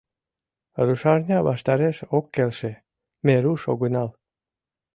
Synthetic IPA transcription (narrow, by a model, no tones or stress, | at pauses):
ɾuʃɑrnʲɑβɑ̰ʃt̪ɑɾeʃokːelʃe | meɾuʃo̰ɡənɑl